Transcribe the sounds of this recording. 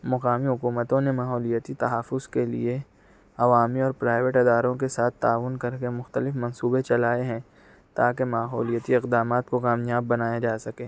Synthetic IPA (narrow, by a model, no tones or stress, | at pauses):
mɐqaːmiɦʊkuːmət̪õnemaːɦɔːlijət̪it̪ɐɦaːfʊzkelḭe | ɐʋaːmiɔːɾpɾaːɪʋeʈɪd̪aːɾõkesaːt̪ʰːaːʋʊnkɐɾkemʊxt̪əlɪfmɐ̃nsuːbet͡ʃɐlaːeɦɛ̃ | t̪aːkemaːɦɔːlijət̪iɪqd̪aːmaːt̪kokaːmjaːbːɐnaːjad͡ʒaːsɐkẽː